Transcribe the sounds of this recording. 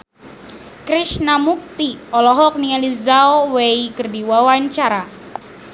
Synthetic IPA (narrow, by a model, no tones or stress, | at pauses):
kɾiʃnamuk̚t̪iɔlɔɦɔk̚nializaɔweikərdiwawaɲt͡ʃaɾa